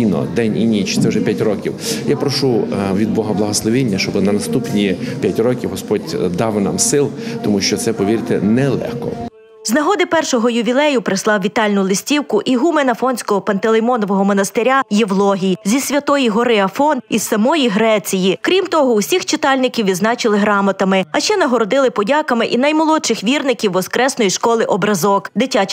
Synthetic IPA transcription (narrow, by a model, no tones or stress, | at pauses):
inɔ̰d̪ɛnʲḭnʲit͡ʃt̪sɛwʒɛpʲjatʲrɔkʲiwjapɾɔʃuʋʲid̪̚bɔɦɐblˠɐɦɔslˠɔʋʲinʲːɐʃt͡ʃɔbɪnɐnɐst̪upnʲipʲjatʲrɔkʲiwɦɔspɔdʲd̪ɑwnɑ̰msɪlˠt̪ɔmuʃt͡ʃɔt̪sɛpɔʋʲiɾɪt̪ḛnɛlˠɛ̰xkɔ̰ | znɐɦɔd̪ɪpɛrʃɔɦɔjʊʋʲilˠɛjʊpɾɪslˠɑwʋʲit̪ɑlʲnʊlˠɪsʲtʲiwkʊʔiɦumenɐfɔnʲsʲkɔɦɔpɐnt̪elˠemɔnɔʋɔɦɔmɔnɐst̪ɪɾʲajeʋlˠɔɦʲijzʲisʲʋʲɐt̪ɔjiɦɔɾɪɐfɔnissɐmɔjiɦɾɛt͡sʲijikɾʲimt̪ɔɦɔusʲixt͡ʃɪt̪ɑlʲnɪkʲiwʋʲid̪znɑt͡ʃɪlˠɪɦɾɑmɐt̪ɐmɪɐʃt͡ʃɛnɐɦɔɾɔd̪ɪlˠɪpɔdʲɑkɐmɪʔinɐjmɔlˠɔt͡ʃɪxʋʲirnɪkʲiwːɔskɾɛsnɔjiʃkɔlˠɪʔɔbɾɐzɔkd̪ɪtʲa